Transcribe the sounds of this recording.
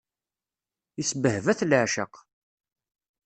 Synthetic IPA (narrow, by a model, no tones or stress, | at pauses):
isbəhvæθlʕʃəq